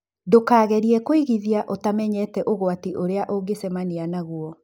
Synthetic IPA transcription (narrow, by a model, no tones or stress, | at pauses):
dokaːɣɛɾiɛkoiɣiðiaʔotamɛɲɛtɛʔoɣwatiʔoɾeaʔoɡesɛmanianaɣwɔ